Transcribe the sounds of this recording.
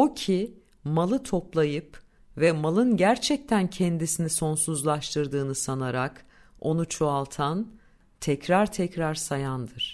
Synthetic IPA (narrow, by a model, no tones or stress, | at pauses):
ocʰi | malˠɯt̪ʰo̞plˠajɯp | vɛmalˠɯnɟæɾt͡ʃʰɛc̚t̪ʰæncʰɛnd̪isiniso̞nsuzlˠaʃt̪ʰɯɾd̪ɯːnɯsanaɾak | o̞nut͡ʃʰoalˠt̪ʰan | t̪ʰɛcɾaɾt̪ʰɛcɾaɾsajand̪ɯɾ̥